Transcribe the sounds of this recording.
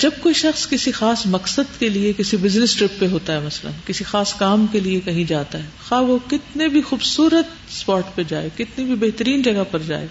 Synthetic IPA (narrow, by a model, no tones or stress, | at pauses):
d͡ʒɐb̚koːiʃɐxskɪsixaːsmɐksəd̪keliekɪsibɪznɪsʈɾɪpːeɦoːt̪aɦɛmɐslə̰nkɪsixaːskaːmkeliekɐɦĩd͡ʒaːt̪aɦɛːxaːʋokɪt̪nebʱixuːbsuːɾət̪ | spaːʈped͡ʒa̰ːekɪt̪nibʱibeɦt̪əɾiːnd͡ʒɐɡapɐɾd͡ʒa̰ːḛː